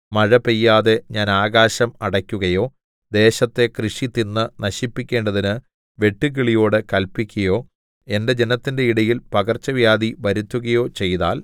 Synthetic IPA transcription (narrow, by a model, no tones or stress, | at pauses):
mɐɻɐpejːaːðe̞ɲaːnaːɣaːɕɐmɐɽɐkʲːuɣɐjo̞ː | d̪e̞ːɕɐt̪ːe̞krɨʂit̪ːinːɨnɐɕipːikʲːe̞ːɳɖɐðinɨ | ʋe̞ʈːɨk̬iɭijo̞ːɽɨkɐlpikʲːɐjo̞ː | e̞nde̞d͡ʑe̞nɐt̪ːinde̞iɽɐjilpɐɣɐrt͡ɕːɐʋjaːd̪iʋɐɾut̪ːuɣɐjo̞ːt͡ɕe̞jða̰ːl